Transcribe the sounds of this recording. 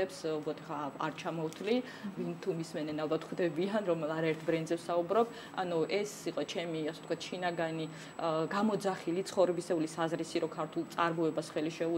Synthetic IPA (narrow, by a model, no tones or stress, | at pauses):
ɛpsubɔt̪ʰɛχaa̰ɾt͡ʃʰamɔwt̪ʰli | vint̪ʰumismɛnɛnalˠbat̪ʰχd̪ɛbianɾɔmɛlˠaɾaɛɾt̪ʰbɾɛnd̪zɛfsaubɾɔb | a̰nuʔɛsiqʼɔt͡ʃʰɛmiasɛ̥t̪kwat̪ʰʃinaɡani | ɡamɔd̪zaχilit̪sʰχɔvɾɛbisɛulisazɾisiɾɔkʰaɾt̪ʰulˠt̪sʼaɾmɔɛbasχɛliʃɛu